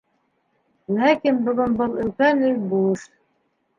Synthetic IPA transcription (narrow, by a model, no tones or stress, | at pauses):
lækinbŏɣonbɤlˠɵ̆lkænɘjbuʃ